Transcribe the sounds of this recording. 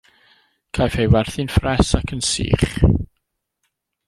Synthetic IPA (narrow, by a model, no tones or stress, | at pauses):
kʰajfhejwɛrθɨnfrɛsakʰənsḭːχ